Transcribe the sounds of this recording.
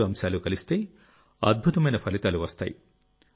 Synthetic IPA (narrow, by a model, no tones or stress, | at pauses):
uɐmsaːlukɐlist̪e̞ː | ɐ̰d̪̚bʱut̪ɐmɐjnɐpʰɐlit̪aːluʋɐst̪a̰ːji